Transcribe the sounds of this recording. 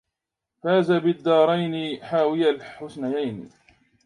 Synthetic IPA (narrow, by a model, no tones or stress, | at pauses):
faːzabɪd̪ːɑːɾˤɑjnɪħaːwɪjalħʊsnajajn